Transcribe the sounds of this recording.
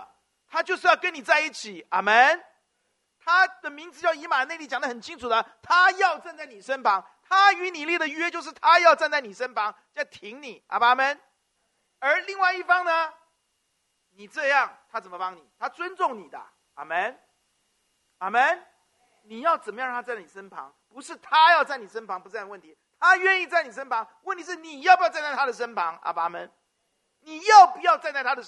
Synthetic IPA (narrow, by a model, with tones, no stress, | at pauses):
t̪ʰa˥t͡ɕjo˥˧ʊʂ̬̩˥˧jɑ˥˩ʊkə˧˦ni˨˩t͡sa˥˧ɪi˥˩t͡ɕʰi˨˩˦a˨˩mə˥n | t̪ʰa˥d̪ə˨mi˧˥ŋt͡sɹ̩˧t͡ɕjɑ˥˩ʊi˧˥ma˨˩˦ne˥˧ɪli˥˩t͡ɕjd̪ə˧xə˨˩nt͡ɕʰi˥ŋʈ͡ʂʰu˨˩d̪ə˦t̪ʰa˥jɑ˥˧ʊt͡sa˥˧nt͡sa˥˩ɪni˨˩ʂə˥npʰɑ˧˥ŋ | t̪ʰa˥y˧˥ni˨˩ljɛ˥˩d̪ə˩ɥɛ˥t͡ɕjo˥˧ʊʂ̬ɻ̩˥˩t̪ʰa˥jɑ˥˧ʊt͡sa˥˧nt͡sa˥˩ɪni˨˩ʂə˥npʰɑ˧˥ŋ | t͡ɕa˥˩ɪt̪ʰi˧˥ŋni˨˩˦a̰˨˩ba˨˧˩mə˥n | ə˞˨˧˥li˥˧ŋwa˥˧ɪi˥˩fɑ˥ŋnə˧ | ni˨˩ʈ͡ʂɤ˥˧jɑ˥˨ŋt̪ʰa˥t͡sə˨˩nmə˦pɑ˦˥ŋni˨˩t̪ʰa˦t͡swə˦˥nt͡sʊ˥˨˩ŋni˨˩d̪ə̰˦ | a̰˨˩mə˥˦n | a˨˩mə˥˩n | ni˨˩jɑ˥˩ʊt͡sə˨˩mə˦j̪ʰt͡sa˥˩ni˨˩ʂə˦npʰɑ̰˧˥ŋpu˧˥ʂɻ̩˥˩t̪ʰa˦jɑ˥˧ʊt͡sa˥˩ɪni˨˩ʂə˥npʰɑ˧˥ŋp̬u˧t͡sa˥˧˥wə˥˩nt̪ʰi˨˦t̪ʰa˦ɥɛ˥˧ni˥˧t͡sa˥˩ɪni˨˩ʂ̬ə˥npʰɑ˧˦ŋwə˥˩nt̪ʰi˧˥ʂɻ̩˥˩ni˨˩jɑ˥˩pu˧˦˥ʊt͡sa˥˧nt͡sa˥˩t̪ʰa˥ə˨˩ʂ̬ə˥npʰɑ˧˦˥ŋa̰˨˩ba˧˦mə̰˧n | ni˨˩jo˥˩ʊpu˧˦jɑ˥˧ʊt͡sa˥˧nt͡sa˥˩ɪa˥ə˨˩